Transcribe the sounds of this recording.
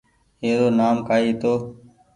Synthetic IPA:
ɦeːd̪oːnaːmkaːiːt̪oː

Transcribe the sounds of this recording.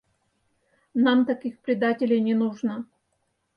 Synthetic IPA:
namt̪ɐkʲixpɾʲɪd̪atʲɪlʲɪjnʲɪnuʐnə

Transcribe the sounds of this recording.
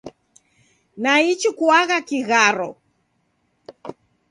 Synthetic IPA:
nait͡ʃikuaɣakiɣaɾɔ̰

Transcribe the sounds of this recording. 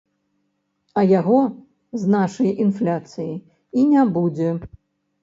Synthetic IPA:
ɐjaɣɔ | znaʂɐjinflʲat̪sɨji | inʲabud͡zʲɛ

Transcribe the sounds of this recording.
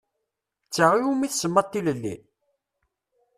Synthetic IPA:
t͡sːaʁiumiθsəmːɑt̪ːiləlːḭ

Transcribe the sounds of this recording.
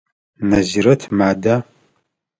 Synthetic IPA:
nɐziɾɐtʰmaːda

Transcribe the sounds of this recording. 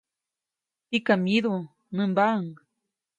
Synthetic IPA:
tikamiðo | nɨmbaəŋ

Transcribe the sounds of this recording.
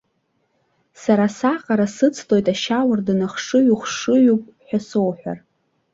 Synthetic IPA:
saɾasaqʼaɾasɨt͡sʰlʼo̞jtʼaʃawardɨnaχʂɨɥuχʷʂɨɥupʼħʷᶣasowħʷᶣa̰r

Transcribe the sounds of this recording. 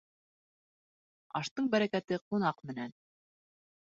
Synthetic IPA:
ɑ̰ʃt̪ɤɴbæɾækæt̪ɘqunɑqmɘ̆næn

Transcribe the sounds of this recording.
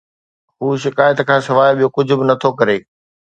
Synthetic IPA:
ɦuːʃɪkaːjət̪kʰãːsɪʋaːjɓijokʊd͡ʑʱʊ̆bɪnɐt̪ʰokɐɾeː

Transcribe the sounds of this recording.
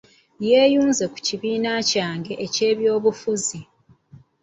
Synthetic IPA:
je̞ːjuːnze̞ku̥ciβiːnacaːŋɡe̞ʔece̞ːβjo̞ːβufuzi

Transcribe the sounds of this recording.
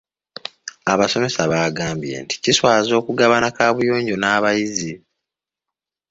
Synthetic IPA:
aβaso̞me̞saβaːɡaːmbje̞̰nti̥ciswaːzo̞ːkuɡaβanakaːβujoːɲɟo̞naːβajizi

